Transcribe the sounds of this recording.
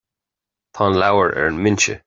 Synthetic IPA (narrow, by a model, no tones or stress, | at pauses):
pʰɑnlawəɹʔɛ̰ɹənmɪnt͡ʃə̰